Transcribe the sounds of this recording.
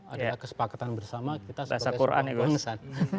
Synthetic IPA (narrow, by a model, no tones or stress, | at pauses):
ajdakəsə̥pakat̪anbərsamakit̪asəasakuɾʔa̰niɡuŋsan